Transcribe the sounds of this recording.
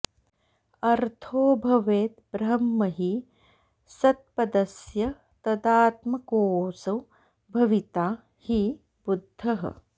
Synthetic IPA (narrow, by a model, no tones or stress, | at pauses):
ɐɾt̪ʰoːbʱɐʋeːt̪̚bɾɐmːɐɦi | sɐt̪̚pɐd̪ɐsjɐ | t̪ɐd̪aːt̪mɐkoːsɐw | bʱɐʋit̪aː | hi | bud̪ʱːɐɦɐ̰